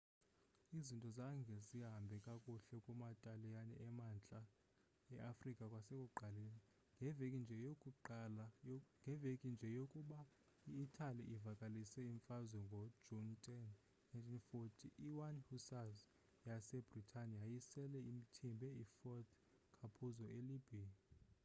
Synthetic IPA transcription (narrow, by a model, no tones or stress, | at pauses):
izintʼɔzaŋɡʱɛziɦambʱɛkʼakʼuɬɛkʼumatʼalijanɛʔɛmant͡ɬʼa | ɛʔafrikʼakʼwasɛkʼuǃʱaleni | ŋɡʱɛvekʼind͡ʒʱɛjokʼuǃalaŋɡʱɛvekʼind͡ʒʱɛjokʼuɓa | iːtʰʼaliʔivakʼalisɛiɱfazwɛŋɡʱɔ̥d͡ʒɔntʼɛn | najntʰinfotʰiʔiwanhusaz | jasɛbritʰaniajisɛlɛimitʰimbʱɛifɔt̪ʰ | kʰapʰuzɔʔelibʱia